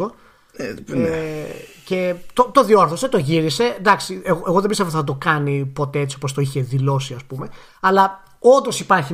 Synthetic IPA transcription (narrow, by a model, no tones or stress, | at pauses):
o | ce̞t̪ot̪o̞ðioɾθo̞se̞t̪o̞ʝiɾise̞nd̪ɐksieɣoeɣo̞ðembist̪evoθɐt̪̬o̞kɐnipo̞t̪e̞et͡sio̞post̪o̞içe̞ðilo̞siɐspume̞ | ɐlɐ | o̞nd̪o̞sipɐɾçi